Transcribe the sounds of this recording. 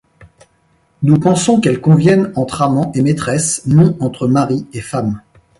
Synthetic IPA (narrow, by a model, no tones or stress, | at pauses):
nupɑ̃sɔ̃kɛlkɔ̃vjɛnɑ̃t̪χamɑ̃ʔemet̪χɛsnɔ̃ɑ̃t̪χəmaʁiefam